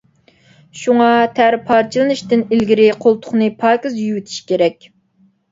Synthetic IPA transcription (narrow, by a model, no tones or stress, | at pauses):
ʃuŋɑt̪ʰæɾpʰɑɾt͡ʃʰilˠɨnɨʃt̪ɪnilɡʲiɾɪqʰolˠt̪ʰʊ̥χnɨpʰɑːkɨzjywyt̪ʰi̥ʃkʲeɾɛkʲ